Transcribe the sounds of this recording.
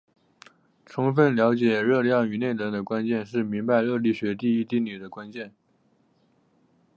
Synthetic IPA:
ʈ͡ʂʰʊ˧˥ŋfə˥˩nljɑ˧˥ʊt͡ɕjɛ˨˩ɻɤ˥˧ljɑ˥˩ŋy˨˩ne˥˩ɪnə˧˥ŋd̪ə˧kwa˥nt͡ɕjɛ˥˧nʂɻ̩˥˩mi˧˥ŋba˧ɪɻɤ˥˧li˥˩ɕɥɛ˧˥t̪i˥˧i˥t̪i˥˩ny˨˩d̪ə˦kwa˥nt͡ɕjɛ˥˩n

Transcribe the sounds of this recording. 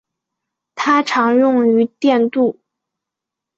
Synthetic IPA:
t̪ʰa˥ʈ͡ʂʰɑ˧˥ŋjʊ˥˩ŋy˧˥t̪jɛ˥˧nt̪u˥˩

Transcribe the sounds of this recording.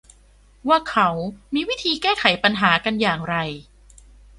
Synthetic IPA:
waː˥˩kʰa˦˥wmiː˧wi˦˥˩t̪ʰiː˧kɛː˥˩kʰa˩˦jpa˧nɦaː˩˦ka˧njaː˨˩ŋɾa˧j

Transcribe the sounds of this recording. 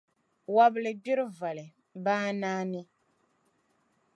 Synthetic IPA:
wa˦bɨ˦lɨ˨bi˦ɾɨ˦va˨lɨ˨ | baː˦naː˦ni˦

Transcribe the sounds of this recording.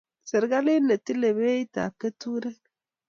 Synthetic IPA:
sɛ˨ɾɡa˦li˦ne˨ti˦le˨βe˦i˦ta̰˨ke˦tu˦ɾɛ˦

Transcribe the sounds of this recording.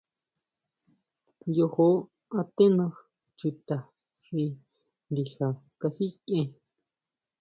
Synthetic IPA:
jo˧ho˦ | a˧t̪e˦nã˧s | t͡ʃu˧t̪a˨ | ʂi˧ | nd̪i˧ha˨ | ka˧si˦kẽ˧

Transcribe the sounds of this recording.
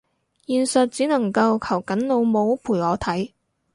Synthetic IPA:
jiː˨nsɐ˨t̚t͡siː˨˥nɐ˨˩ŋkɐ˧wkʰɐ˨˩wkɐ˨˥nlo˨˧wmo˨˧wpʰuː˨˩jɔː˨˧t̪ʰɐ˨˥j

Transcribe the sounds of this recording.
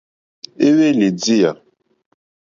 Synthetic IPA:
e˦we˦le˨d͡zi˦ja˨

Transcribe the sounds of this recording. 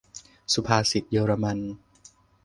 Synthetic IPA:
su˧pʰaː˧si˨˩t̪̚jɤː˧ɾa˧ma˧n

